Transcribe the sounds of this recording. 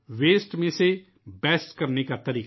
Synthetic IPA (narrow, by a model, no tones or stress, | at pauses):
ʋeːsʈmẽseː | bɛːsʈkəɾneːkaːt̪əɾiːk